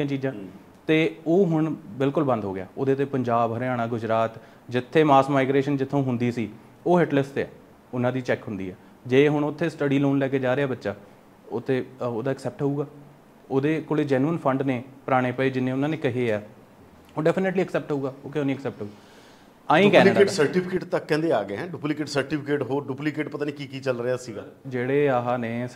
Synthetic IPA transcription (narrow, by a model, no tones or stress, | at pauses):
ãːt͡ʃiːd͡ʒãː | t̪eːoːɦʊɳbɪlkʊlbə̃nd̪ʱɦoːɡɪja̰ːoːd̪eːt̪̬eːpəɲd͡ʒaːbɦəɾeaːɽãːɡʊd͡ʒɾaːt̪ | d͡ʒɪt̪ʰːeːmaːsmaːɪɡɾeːʃənd͡ʒɪt̪ʰːõːɦʊnd̪iːsiː | oːɦɪʈlɪst̪eɛ̰ː | ʊnãːd̪iːt͡ʃɛːkɦʊnd̪ḭːɛː | d͡ʒeːɦʊɳʊt̪ʰːeːsʈəɖiːloːnlɛːkeːd͡ʒaːɾeːaːbətːʃaː | ot̪ʰːeːoːd̪aːəksɛːp̚ʈɦouːɡaː | oːd̪eːkoːɽeːd͡ʒɛːnuːənpʰəɳɖneːpəɾaːɽ̃eːpəeːd͡ʒɪnẽːʊnãːneːkɪɦeːɛː | oːɖɛːpʰɪneːʈliːəksɛːp̚ʈɦouːɡaːoːkeoːnĩːksɛːp̚ʈəuːɡa | aːĩːkɛːnlːkaeːʈsəɾʈiːpʰɪkeːʈt̪əkːɛ̃ːnd̪eːaːɡeɦɛ̃ːɖuːplɪkeːʈsəɾʈiːpʰɪkeːʈɦoːɖuːplɪkeːʈpət̪aːnĩːkiːkiːt͡ʃəlɾeaːsiːɡaːd͡ʒeːɽeːaːɦaːnẽː